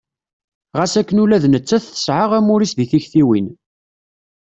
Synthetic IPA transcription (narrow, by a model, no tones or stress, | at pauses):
ʁæsækːənulæðnət͡sːæθθə̥sʕaʁæmʊɾisðiθiçθiwin